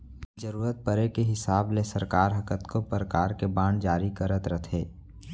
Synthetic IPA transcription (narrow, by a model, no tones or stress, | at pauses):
d͡ʒəɾuːɾət̪̚pəɾekeɦɪsaːblesəɾkaːɾɦɐkət̪kʰopəɾəkaːɾkebãːɳɖd͡ʒaːɾikəɾət̪ɾət̪ʰɦeː